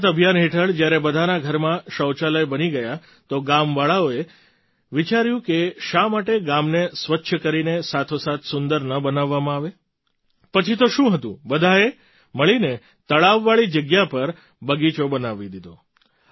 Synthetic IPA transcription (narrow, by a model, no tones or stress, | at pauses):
t̪əbʱjanɦeʈʰəɭd͡ʒjaɾebəd̪ʱanaɡʱəɾmãʃəwt͡ʃaləjbəniɡəja | t̪oɡamʋaɭaoe | ʋit͡ʃaɾjũkeʃamaʈeɡamnesʋətːʃʰəkəɾinesat̪ʰosat̪ʰsʊnd̪əɾnəbənaʋːamãaʋe | pət͡ʃʰit̪oʃũɦət̪ṵ̃bəd̪ʱae | məɭine | t̪əɭaʋːaɭid͡ʒəɡjapəɾ | bəɡit͡ʃobənaʋid̪id̪o